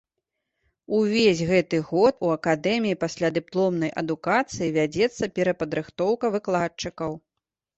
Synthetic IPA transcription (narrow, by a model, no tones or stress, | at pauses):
uvʲezʲɣɛt̪ɨɣɔt̪uɐkad̪ɛmʲijipasʲlʲad̪ɨplˠɔmnɐjʔɐ̰d̪ukat̪sɨjivʲad͡zʲɛt̪sːɐpʲɛɾɐpɐd̪ɾɨxt̪ɔwkɐvɨklˠat̚t͡ʂɨkɐw